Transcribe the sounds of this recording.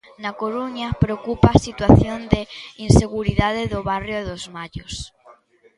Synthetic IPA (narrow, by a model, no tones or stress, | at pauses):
nakoɾuɲapɾeokupasit̪waθjond̪einseɣuɾiðaðeðoβarjoðozmaʎos